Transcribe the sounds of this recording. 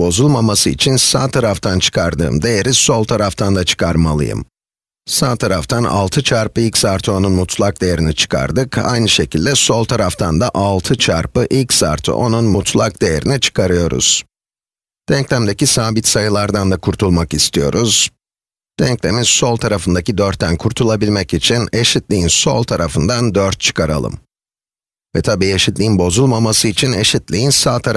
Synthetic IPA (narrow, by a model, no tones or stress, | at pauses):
bo̞zulˠmamasɯḭt͡ʃʰinsaːt̪ʰaɾaft̪ʰant͡ʃʰɯ̥kʰaɾd̪ɯ̰ːmd̪e̞je̞ɾiso̞lˠt̪ʰaɾaft̪ʰand̪at͡ʃʰɯ̥kʰaɾmalˠɯ̰jɯ̰m | saːt̪ʰaɾaft̪ʰana̰lˠt̪ʰɯt͡ʃʰaɾpɯilʲcsaɾt̪ʰɯo̞nunmut̪ʰlˠak̚d̪e̞je̞ɾinit͡ʃʰɯ̥kʰa̰ɾd̪ɯkʰa̰jnɯʃe̞cilʲd̪ɛso̞lˠt̪ʰaɾaft̪ʰand̪aʔalˠt̪ʰɯt͡ʃʰaɾpɯʔilʲcsa̰ɾt̪ʰɯ̰ʔo̞nunmut̪ʰlˠak̚d̪e̞je̞ɾinit͡ʃʰɯ̥kʰaɾɯjo̞ɾṵz̥ | d̪̥ɛɲclʲæmd̪e̞cisaːbit̪sajɯlˠaɾd̪and̪akʰuɾt̪ʰulˠmakist̪ʰijo̞̰ɾuz̥ | d̪̥ɛɲclʲe̞mizso̞lˠt̪ʰaɾafɯnd̪acid̪øɾt̪ʰːænkʰuɾt̪ʰulˠabilʲmɛcit͡ʃʰine̞ʃit̪lʲijinso̞̰lˠt̪ʰaɾafɯnd̪and̪øɾt̪̚t͡ʃʰɯ̥kʰaɾa̰lˠɯ̰m | vɛ̰t̪ʰabiːeʃit̪lʲijinbo̞zulˠmamasɯit͡ʃʰine̞ʃit̪lʲijinsaːt̪ʰaɾ